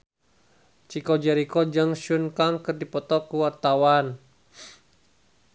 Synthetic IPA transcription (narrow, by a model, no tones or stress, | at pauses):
t͡ʃikɔd͡ʒɛɾikɔd͡ʒɨŋʃunkaŋkərdipɔt̪ɔkuwart̪awan